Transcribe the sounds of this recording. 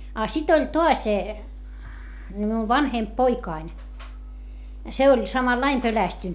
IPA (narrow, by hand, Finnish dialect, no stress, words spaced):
ɑ sit olʲ toɑs ni miuʋ ʋɑnhemp poikɑin se olʲ sɑmɑlːɑim pølæstynt